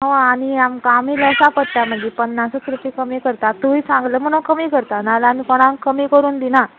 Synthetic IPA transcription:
ɦoaniamkaamiləwsapəɽt̪jam̤əd͡ʑipənːasət̪ɾupikəmiːkəɾt̪at̪uisãŋɡləːm̤əñũnkəmiːkəɾt̪analamikoɽ̃ãŋkkəmiːkəɾuːnd̪ina

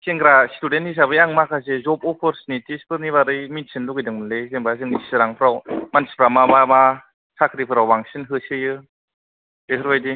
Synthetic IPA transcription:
kʰeŋɡɾastudentis̬abɯjaŋmakʰazezɔpɔpʰɯɾsnitispʰɯɾniβaɾɯjmitsʰɯnduɡɯjdɯŋmɯnlezeŋbazɯŋissɯɾaŋpʰɯɾawmansi̥pʰɾamabama | sʰakʰɯɾipʰɯɾawːaŋsɯnɦɯsɯjɯ | eɦɯɾβajdi

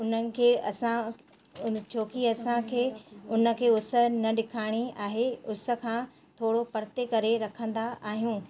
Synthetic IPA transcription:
ʊnənɪ̆kʰeːɐsã | ʊt͡ɕʰoːkiɐsãkʰeːʊnə̆kʰeːʊsə̆nɐɗɪkʰaːɪɽ̃iaːɦeʊsə̆kʰãː | t̪ʰoːɽopɐɾt̪ekɐɾeɾɐkʰə̃nd̪aaːɦijũː

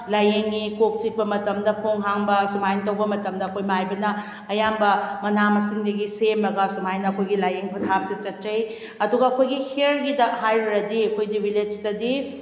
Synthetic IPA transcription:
lajeŋːikok̚t͡ʃik̚pɐmɐtɐmdɐpʰoŋɦaŋbɐsumajnt̬ɐwbɐmɐtɐmdɐːkʰojmajbɐnɐ | ɐjambɐmɐnamɐsiŋdɐɡisemɐɡɐsumajnɐɐkʰojɡilajeŋpʰɐtʰap̚set͡ʃɐt̚t͡ʃɐj | ɐduɡɐːkʰojɡiheɾɡidɐɦajɾɾɐdiɐkʰojdibʱiled͡ʒtɐdi

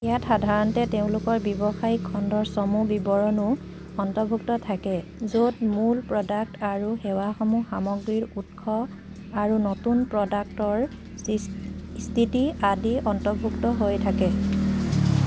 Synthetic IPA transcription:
ijatxadʱaɹɔntɛteʊ̃lʊkɔɹbjɔbɔxajkʰːɔndɔɹsɔmubibɔɹɔnʊ | ɔntɔbʱuktɔtʰakɛzotmulpɹɔdak̚taɹuxɛwaxɔmuxamɔɡɹiɹut̚kʰɔ | aɹunɔtunpɹɔdak̚tɔɹ | stʰitiadiɔntɔbʱuktɔɦojtʰakɛ

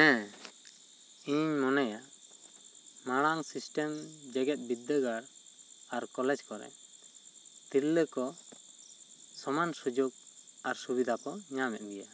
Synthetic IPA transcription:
ɛ̃ | iɲmɔnaja | maɽ̃aŋsisʈɛmd͡ʒɛɡɛt̪̚bid̪ːəɡaɾaɾkɔlɛd͡ʒkɔɾɛ̰ | t̪ilːəkɔ | sɔmansud͡ʒoɡ̚aɾsubid̪ʱakɔɲamɛ̰t̪̚ɡɛja

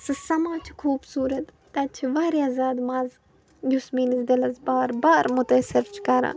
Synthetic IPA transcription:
sɨsɐmaːt͡ʃʰi̥kʰuːbsuːɾɐt̪ | t̪ɐt͡ʃʰiʋaːɾiazaːd̪mɐz | jusmiːnizd̪ilɐzbaːɾbaːɾmʊt̪ɐsiɾt͡ʃʰkɐɾã̰ː

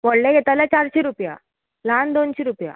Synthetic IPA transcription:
moɽleɡʱɛt̪ajljat͡ɕaɾɕiɾupja̰ | land̪onɕiɾupja̰

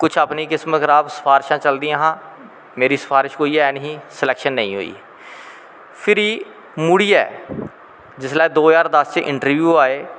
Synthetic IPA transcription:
kʊt͡ʃʰaːpniːkɪsmət̪ɾaːpsə̥pʰaːɾʃãːt͡ʃəld̪iãːɦãː | meːɾiːsə̥pʰaːɾɪʃkoːiːɛːɛnɦiːsəlɛːkʃənːə̰ĩɦo̰ːḭː | pʰɪɾiː | mʊɽiːɛ̰ː | d͡ʒɪslaːeːd̪oːjaːɾd̪əst͡ʃeʔɪ̰̃ɳʈəɾʋjuːaːeː

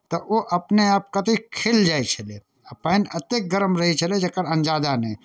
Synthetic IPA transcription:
t̪ɐʔoʔɐpneaːp̚kat̪ikʰeːld͡ʒaːet͡ʃʰəle | ɐpanɐt̪ek̚ɡəɾəmɾɐɦit͡ʃʰɐled͡ʒɐkːəɾɐnd͡ʒaːd̪ane

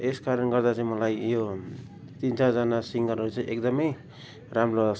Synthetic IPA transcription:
eskaɾʌnɡʌɾd̪azemʌlajijo | t̪insʰazanasiŋɡʌɾʌsʰeʔek̚d̪ʌmʌj | ɾamlo

